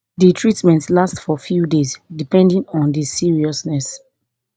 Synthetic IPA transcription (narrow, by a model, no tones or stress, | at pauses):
ditʰɹitmɛ̃ntlastfɔfjudezdipɛ̃ndĩnɔ̃ndisiɹiɔsnɛs